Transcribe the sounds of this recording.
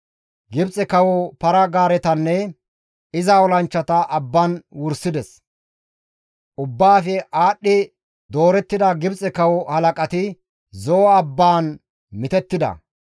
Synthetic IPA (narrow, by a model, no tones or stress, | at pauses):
ɡɪbt͡sʼɛkɐwɔpɐɾɐɡaːɾɛt̪ɐnːɛ | ɪzɐɔlɐnt͡ʃːɐt̪ɐʔɐbːɐnwʊɾsɪd̪ɛs | ʔʊbːaːfɛʔaːɗːɪ | d̪o̞ːɾɛt̪ːɪd̪ɐɡɪbt͡sʼɛkɐwɔhɐlɐkʼɐt̪ɪ | zɔːɐbːaːn | mɪt̪ɛt̪ːɪd̪ɐ̰